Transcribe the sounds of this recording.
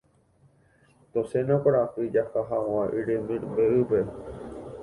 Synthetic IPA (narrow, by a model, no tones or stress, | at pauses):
t̪osenãkʷaɾapɨd͡ʒakaɦawãʔiɾemĩbeʔɨpe